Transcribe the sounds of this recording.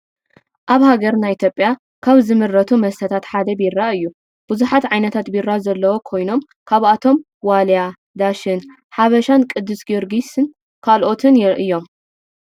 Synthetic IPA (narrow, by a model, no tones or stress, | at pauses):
ʔaβhaɡɐɾnajʔit̪ʰjopʼːja | kʰaβzɨmɨɾːɐt̪ʰumɐst̪ʰɐt̪ʰat̪ħad̪ɐbiɾːaɨjːu | b̥ɨzuħat̪ʕajnɐt̪ʰat̪biɾːazɐlːɐwokʰo̞jno̞m | kʰaβat̪ʰo̞m | walja | d̪aʃɨn | ħaβɐʃankʼɨd̪ːɨsɡoɾɡisɨn | kʰalʔo̞t̪ʰɨnʔɨjːo̞m